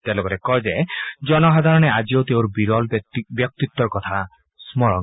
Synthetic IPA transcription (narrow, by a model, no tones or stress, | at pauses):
t̪elokɔɾekɔjd͡ʒed͡ʒɔnɔɦad̪ʱaɾɔñead͡ʒiot̪eoɾbiɾɔlbjɔk̚t̪it̪ːɔɾkɔt̪ʰa | smɔɾɔŋ